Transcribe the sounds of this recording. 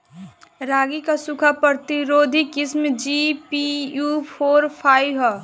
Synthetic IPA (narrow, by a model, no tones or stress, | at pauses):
ɾaːɡikasukʰapəɾt̪iɾoːd̪ʱikismd͡ʒipijupʰoːɾpʰajɦɔ